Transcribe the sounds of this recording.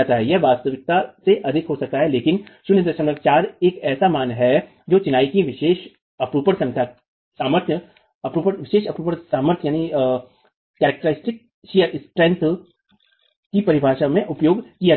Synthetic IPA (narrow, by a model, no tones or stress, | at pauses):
at̪aɦɛjɛʋaːst̪əʋɪk̚t̪aseʔɐd̪ʱɪkɦosɐk̚t̪aɦɛleːkɪnʃʊnjɪd̪əɾʃə̃nək̚t͡ʃaːɾeːkɛːsamaːnɦɛ | d͡ʒoːt͡ʃɪnaːikiʋɪʃeːʃ | ɐpɾuːpəɽsɐ̃ŋt̪ʲʰa | saːməɾt̪ʰjə | ɐpɾuːpəɾʋɪʃeːʃɐpɾuːpəɽsaːməɾt̪ʰjaːni | kɛːɾək̚ʈəɾɪsʈɪk̚ | ʃijəɾspɾɛ̃nt̪ʰ | kipɐɾɪbʱaːʃamẽʔʊpjoːɡkija